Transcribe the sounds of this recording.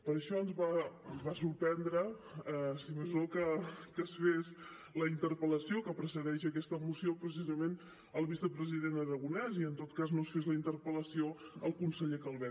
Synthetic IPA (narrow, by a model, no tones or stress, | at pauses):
pəɾəʃɔənzβaβasuɾpɛnd̪ɾəɛsiməzokəkəsfes | ləint̪əɾpələsiokəpɾəsəðɛʃəkɛst̪əmusiopɾəs̬izəmen | əlˠβisəpɾəziðenəɾəɣ̞unɛziənt̪ot̪kaznosfezləint̪əɾpələsioəlˠkunsəʎekəlˠβɛ